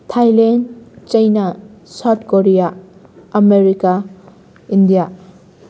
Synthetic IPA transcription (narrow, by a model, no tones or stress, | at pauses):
tʰajlent͡ʃɐjnasatkoɾijaː | meɾika | indija